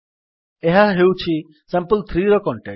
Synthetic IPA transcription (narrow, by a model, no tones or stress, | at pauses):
eɦaɦewt͡ʃʰi | sãmpəlt̪ʰɾiːɾɔkɔɳʈe